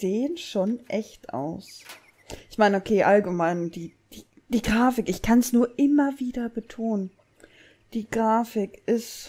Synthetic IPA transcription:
z̥eːənʃoːnʔɛçtʔa̰ʊs | ʔɪçmaɪnəokʰeːʔalɡəmaɪnd̥iː | d̥iː | d̥iːɡʁaːfɪkɪçkʰansnuːɐʔɪmɐviːdɐbətʰoːnən | d̥iːɡ̥ʁaːfɪkʔɪst

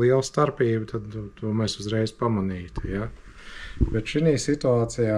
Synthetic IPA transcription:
iɛlˠst̪aɾpiːbt̪ʰad̪nt̪ʰuɔmɛsuzɾɛjz̥pamaniːt̪ja | bɛt̪ʃiniːsit̪uaːt̪sijaː

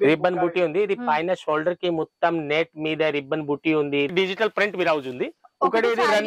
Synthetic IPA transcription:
ɾibɐnbuʈːiund̪iːd̪ipɐjnɐʃoːlɖɐɾkimɔt̪ːɐmneːʈmiːd̪ɐɾibːɐnbuʈːiund̪iɖid͡ʒiʈɐlpɾiɳʈmiːɾɐud͡ʒund̪iukɐɽeːd̪iɾɐn

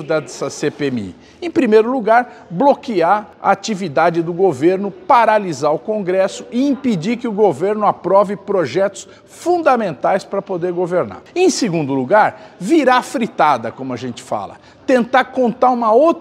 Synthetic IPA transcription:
d̪ɐsɐsepemḭ | ẽj̃pɾimejɾʊluɡaɾ | blokiaɾa̰at͡ʃivid̪ad͡ʒɪd̪ʊɡoveɾnʊpaɾalizaɾʊkõɡɾɛsʊ̥ʔɪĩpid͡ʒiɾkɪʊɡoveɾnʊapɾɔvɪpɾoʒɛt̪ʊ̥s | fũnd̪ɐmẽnt̪ajspɾɐpod̪eɾɡoveɾna̰ɾẽj̃seɡũnd̪ʊluɡaɾviɾafɾit̪ad̪ɐkõmʊɐʒẽnt͡ʃɪ̥fa̰lɐ̰ | t̪ẽnt̪aɾkõnt̪aɾũmɐowt̪

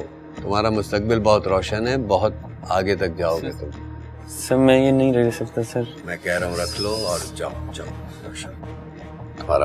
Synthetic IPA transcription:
t̪ʊm̤ɦaːɾamʊst̪ək̚bɪlbɔɦʊt̪ɾɔːʃənɦɛbɐɦʊt̪̚ | aːɡet̪ɐk̚d͡ʒaːoɡet̪ʊ̃m | sɐɾmɛ̃jenɐɦĩɾɛɦisɐk̚t̪asɐɾmɛ̃kɛɦɾɐɦũɾɐkʰloɔːɾd͡ʒa̰ːod͡ʒaːo | ɾːʃən | t̪ʊma̰ːɾa̰

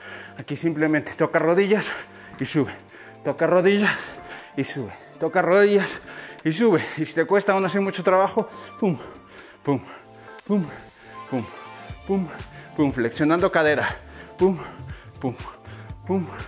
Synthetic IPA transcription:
akisimplemẽnt̪e̥t̪okaroðiʝas | iʃuβe | t̪okaroðiʝasisuβe | t̪okaroðijasiʃ̬uβeisi̥t̪ekwest̪aonasiɾmut͡ʃot̪ɾaβaxopum | pum | pum | pumpumpumfleksjonand̪okaðeɾapumpumpum

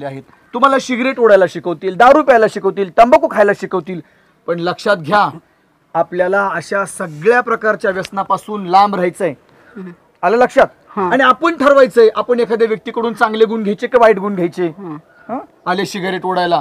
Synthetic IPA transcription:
leaɦet̪ | t̪ːum̤alaɕiɡɾeʈoɽajlaɕikəʋt̪iːld̪aɾuːpajlaɕikəʋt̪iːlt̪əmbəkokʰajlaɕikəʋt̪iːl | pəɳləkʂat̪ɡʱjaː | pljalaəɕasəɡɭjapɾəkaɾt͡ɕjaʋjəsnapasuːnlambɾajt͡səj | alaləkʂat̪̚ | aɽ̃iapəɳʈʰəɾʋajt͡səjʔapəɳekʰad̪eʋjək̚t̪iːkəɽuːnt͡sãŋɡleɡuːnɡʱejt͡ɕekeʋaiʈɡuːnɡʱjajt͡se | ɦa | əleɕiɡɾeʈoɽajla

